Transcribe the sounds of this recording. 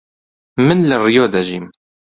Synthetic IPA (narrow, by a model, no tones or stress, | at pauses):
mɨnlɨrijoːd̪ɐʒiːm